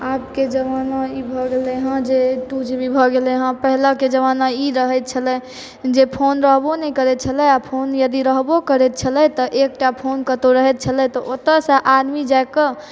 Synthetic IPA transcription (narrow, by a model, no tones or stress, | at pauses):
apked͡ʒəʋanaibʱɔɡeleɦə̃d͡ʒeʈud͡ʒbʱibʱɔɡeleɦə̃pəɦləked͡ʒəʋanaiɾəɦɛt̪̚t͡ʃʰəlɛ | d͡ʒepʰonɾəɦbonɛjkəɾɛt̪̚t͡ʃʰəlɛapʰonjəd̪iɾəɦbokəɾɛt̪̚t͡ʃʰəlɛt̪ɔʔek̚ʈapʰonkət̪oɾəɦɛt̪̚t͡ʃʰəlɛt̪ɔʔot̪əsə̃ʔad̪mid͡ʒaekə